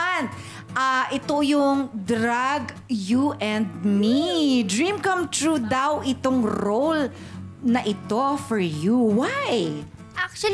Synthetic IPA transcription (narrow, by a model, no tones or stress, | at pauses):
n | ʔaʔɪt̪ojʊŋd̪ɾaɡ | juʔɛ̃nd̪̚mid̪ɹĩmkɐ̃mt̪ɹud̪awʔɪt̪oŋɾowl | nɐʔɪt̪o̞fɔɹjuwaj | ʔak̚t͡ʃɐ